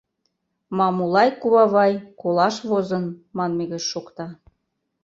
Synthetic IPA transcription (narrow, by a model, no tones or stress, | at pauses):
mɑmulɑjkuβɑβɑjkolɑʃβozə̆nmɑnmeɣĕt͡ɕʃokt̪ɑ